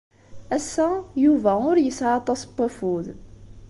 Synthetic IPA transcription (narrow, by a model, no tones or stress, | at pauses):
æsːæjuvæʊɾjəsʕɑt̪ˤɑsbːæfuð